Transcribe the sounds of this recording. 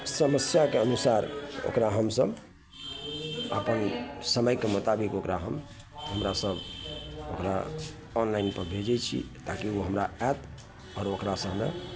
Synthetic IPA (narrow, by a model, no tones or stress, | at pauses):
səməsjakeənusaɾo̰kɾaɦəmsəb | ə̰pənsəməjkemut̪abikokɾaɦəm | ɦəmɾasəbokɾa̰ | ɔnlaɪinpəɾbʱed͡ʒɛt͡ʃʰḭt̪akioɦəmɾaɛt̪ | ɔːɾokɾasəɦmḛ